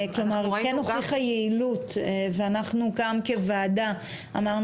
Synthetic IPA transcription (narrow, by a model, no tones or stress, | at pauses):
klo̞maʁkenoχiχajeilut̪veanaχnukamke̞vaːda | amaʁn